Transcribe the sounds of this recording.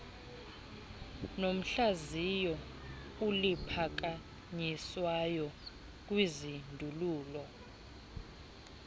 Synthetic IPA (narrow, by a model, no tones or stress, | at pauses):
nom̩ɬazijɔ | ulipʰak̬a | ɲiswajɔ | k̬wizindʱuluːlɔ